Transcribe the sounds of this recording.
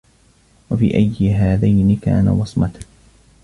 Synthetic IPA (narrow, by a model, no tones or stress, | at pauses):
wafḭːʔajːɪɦaːðajnɪka̰ːna̰wɑsˤmɑt̪a